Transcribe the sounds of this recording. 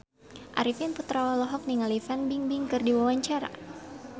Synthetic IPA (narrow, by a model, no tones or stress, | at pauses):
ʔa̰ɾifinput̪ɾawalɔɦɔk̚niŋalifanbiŋbiŋkɨrdiwawaɲt͡ʃaɾa̰